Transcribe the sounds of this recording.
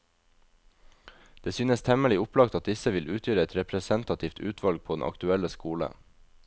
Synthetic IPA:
d̪̥eːsyːnəst̪ʰɛməlɪʊplɑkt̪ɑt̪̚d̪ɪsəʋɪlʉːt̪ʰjøːɾəɛt̪ɾɛpɾəsɛnt̪ɑt̪ʰiːft̪ʰʉ̰ːt̪ʰʋɑlɡ̚pʰoːd̪n̩ʔɑ̰kt̪ʉɛləskuːlə̰

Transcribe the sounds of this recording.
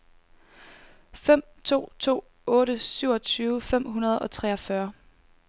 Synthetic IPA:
fem̰t͡sʰo̝̰ːt͡sʰo̝̰ː | ɔ̽ːɾəsyʊɒ̽t͡sʰyːʊfem̰ɦunɐð̞̩ˠɒ̽t͡sʰʁɛɒ̽fɶɐ

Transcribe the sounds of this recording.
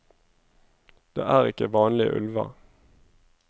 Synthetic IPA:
d̪̥ḛːʔæːʁɪkəʋɑːnlɪəʔʉ̰lʋɑ̰

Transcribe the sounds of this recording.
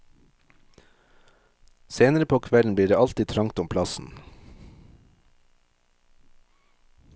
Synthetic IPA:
seːnəɾəpʰoːkʰʋɛln̩b̪iːɖeːʔɑlt̪it̪ʰɾɑŋt̪ʊmpʰlɑsn̩

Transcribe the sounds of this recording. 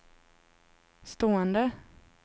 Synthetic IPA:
st̪oːɛnd̪ə

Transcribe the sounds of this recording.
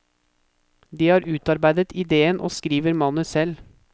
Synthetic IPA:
d̪iːhɑːɾʔʉːt̪ɑɾbæɪd̪ət̪ʰɪd̪eːənʔo̰ːskɾiːʋəɾmɑnəsɛl

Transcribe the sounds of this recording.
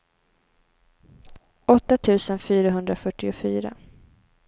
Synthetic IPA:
ʔɔt̪ːat̪ʰʉ̟ːsənfyːɾaɦɵnd̪ɾafœʈːɪʊfyːɾa̰

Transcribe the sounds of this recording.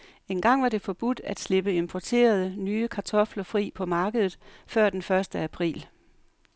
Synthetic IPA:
e̝nɡ̥ɑ̈ŋ̰ʋɑ̈ɾ̥e̝fɒ̽b̥ud̥æd̥sle̝b̥əe̝mpʰɒt͡sʰe̝̰ːɐð̞ˠənyːəkʰɑ̈t͡sʰɒ̽flɐfʁḭːpʰɒ̽mɑ̈ːɡ̥əð̞ˠð̩ˠfɶɐ̰d̥enfɶɐsd̥əæpʰʁḭːl

